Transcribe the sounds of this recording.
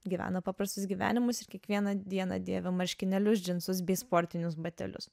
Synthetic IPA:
ɡʲiʋʲæ̰ːnɐpɑːpɾɐst̪ʊs̬ɡʲiːʋʲæ̰ːnʲɪmʊsɪɾkʲiɛkʋʲiɛnɐd̪ʲiɛnɐ̰d̪ʲiɛʋʲɛmɐɾʲʃʲkʲɪnʲɛlʲʊsʲd͡ʒʲɪnsʊs̬bʲɛɪspoːɾʲt̪ʲɪnʲʊs̬bɐt̪ʲɛ̰lʲʊ̰s

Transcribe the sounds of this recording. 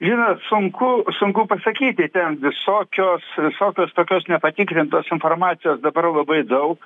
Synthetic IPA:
ʒʲɪnoːt̪sʊŋkʊsʊŋkʊpɐsɐkʲiːt̪ʲɪt̪ʲɛnʋʲɪsoːkʲoːsʋʲɪsoːkʲoːst̪oːkʲoːsnʲɛpɐt̪ʲikɾʲɪnt̪oːsɪnfoːrmɑːt͡s̪ʲɪjoːsd̪ɐbɐrlˠɐbɐɪd̪ɐʊk

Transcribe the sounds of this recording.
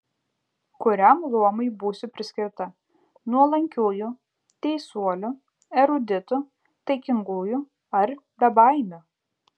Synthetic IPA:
kʊɾʲæmlˠuɔmɐɪbuːsʲʊpʲɾʲɪsʲkʲɪɾt̪ɐ | nuɔlˠɐŋʲkʲuːjʊ | t̪ʲɛɪsuɔlʲʊ | ɛɾʊd̪ʲɪt̪ʊ | t̪ɐɪkʲɪŋɡuːjʊ | ɐɾbʲɛbɑˑɪmʲʊ

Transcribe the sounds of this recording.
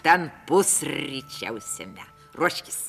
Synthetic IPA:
t̪ænpusitæ̰wsːḛmːæ | ruoʃki̥s

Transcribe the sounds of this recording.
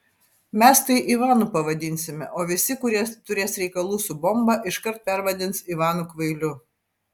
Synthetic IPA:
mʲɛst̪ɐɪʔiʋɑːnuːpɐʋɐd̪ʲɪnʲsʲɪmʲɛ̰ʔoːʋʲɪsʲɪkʊɾʲiɛt̪ʊɾʲeːsɾʲɛɪkɐlˠuːsʊbɔmbɑʔɪʃkɐɾt̪̚pʲɛɾʋɐd̪ʲɪnsiːʋɑːnukʋɐɪlʲʊ

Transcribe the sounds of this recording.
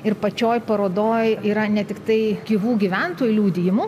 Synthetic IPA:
ɪɾpɐt͡ʃʲoːjpɐɾoːd̪oːjiːɾɐnʲɛt̪ʲɪkt̪ɐɪkʲiːʋuːɡʲiʋʲɛnt̪oːjʊlʲuːd̪ʲɪjɪmʊ

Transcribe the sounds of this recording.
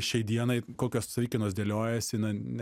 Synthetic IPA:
ʃʲɛɪd̪ʲiɛnɐɪkoːkʲoːssɐʋʲiːkʲɪnoːsd̪ʲeɛlʲoːjɛsʲɪnɐnʲ

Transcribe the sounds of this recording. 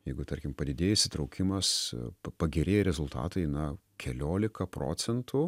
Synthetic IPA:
jɛɪɡʊt̪ɐrʲkʲɪmpɐd̪ʲɪd̪ʲeːjɛsʲɪt̪ɾɐʊkʲɪmɐspɐɡʲɛɾʲeːjɛɾʲɛzʊlˠt̪ɑ̰ːt̪ɐɪnɐkʲʰɛlʲoːlʲɪkɐpɾo̰ːsʲɛnt̪ʰʊ

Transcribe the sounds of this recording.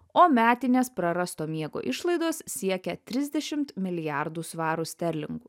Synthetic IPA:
oːmʲæːt̪ʲɪnʲeːspɾɐɾɐst̪oːmʲiɛɡo̰ːʔɪʃlˠɐɪd̪oːssʲiɛkʲɛt̪ʲɾʲɪzʲd̪ʲɛʃʲɪmt̪mʲɪlʲɪjæˑɾd̪uːsʋɑːɾusʲt̪ʲɛɾʲlʲɪ̰ŋɡuː

